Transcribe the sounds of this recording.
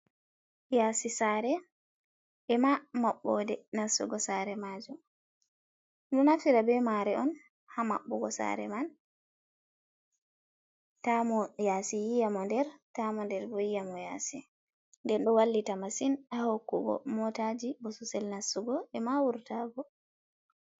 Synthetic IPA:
jaːsisaɾɛ | ʔɛmamaɓːɔdɛnasṵɡɔsaɾɛmad͡ʒum | ɗɔnafiɾabɛmaɾɛʔɔn | hama̰ɓːɔɡɔsa̰ɾɛ̰man | tamɔjasijijamɔndɛɾtamɔndɛɾbɔjijamɔja̰si | ndɛnɗɔwalːitamasinahokːubɔ̰mɔtad͡ʒibɔsusɛlnasuɡɔɛmawuɾtabɔ

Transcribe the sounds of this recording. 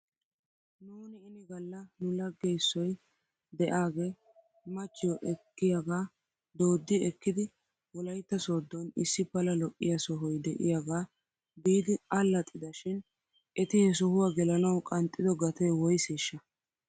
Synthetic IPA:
nuːnɪːnɪɡɐlːɐnʊlɐɡːɛjsːɔj | d̪ɛʔaːɡeː | mɐt͡ʃːɪjɔʔɛkːɪjaɡaː | d̪o̞ːd̪ːɪɛkːɪd̪ɪ | wɔlɐjt̪ːɐsoːd̪ːɔnɪsːɪpɐlɐlɔʔʼːɪjɐsɔɦɔjd̪ɛʔɪ̰jaɡaː | biːd̪ɪɐlːɐt̪ʼːɪd̪ɐʃɪn | ʔɛt̪ɪjɛsɔhʊwaɡɛlɐnɐwkʼɐnt̪ʼːɪd̪ɔɡɐt̪ɛjwɔjseːʃːɐ

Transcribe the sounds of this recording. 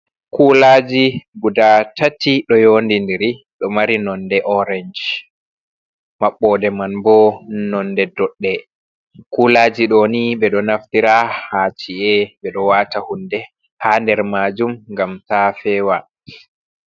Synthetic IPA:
kulad͡ʒiɡudatʰatiɗɔjoːndindiɾi | ɗɔmaɾinɔndɛʔɔɾɛɲd͡ʒ | maɓːɔdɛmanbɔnɔndɛdɔɗːɛ | kuːlaːd͡ʒiɗonibɛɗɔnaftiɾahaːt͡ʃiɛbɛɗɔwaːtahundɛ | handɛɾmaːd͡ʒumŋɡamtafɛːwa

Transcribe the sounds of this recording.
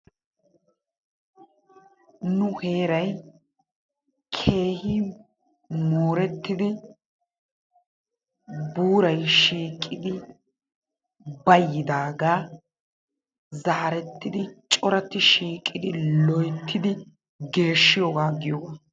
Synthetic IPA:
nʊhe̞ːɾɐj | kʰe̞ːhiː | moːɾɛt̪ːɪd̪ɪ | buːɾɐjʃiːkʼːɪd̪ɪ | bɐjːɪd̪aːɡaː | zɐːɐɾɛt̪ːɪd̪ɪt͡ʃʼɔɾɐt̪ːɪʃiːkʼːɪd̪ɪlɔjt̪ʰːɪd̪ɪ | ɡe̞ːʃːɪjoːɡaːɡɪjoːɡaː

